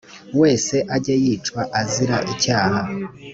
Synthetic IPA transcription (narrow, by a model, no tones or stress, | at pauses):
we̞ːse̞ʔaɾɟajiːt͡ʃkwaʔaziɾaʔicaːha